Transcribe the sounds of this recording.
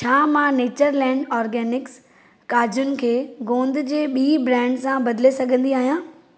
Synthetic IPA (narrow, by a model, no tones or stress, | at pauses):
t͡ɕʰaːmãːneːt͡ɕəɾlɛ̃ːɳɖɔːɾɡɛːnɪks | kaːd͡ʑʊnɪ̆kʰeːɡõːnd̪ɪd͡ʑeːɓiːbɾɛ̃ːɳɖsãbɐd̪ɪlesɐɡʱə̃nd̪iaːɦijãː